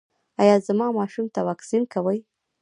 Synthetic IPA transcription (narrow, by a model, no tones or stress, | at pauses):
ajɑzamɑmɑʃumt̪awɑksinkawəj